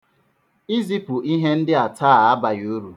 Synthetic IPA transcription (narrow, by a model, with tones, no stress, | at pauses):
i˦zi˦pu˨ʔi˦ɦe˦n̩˦dɪ˦a˨tʰaː˦˨a˦ba˨jo˨˦ɾu˨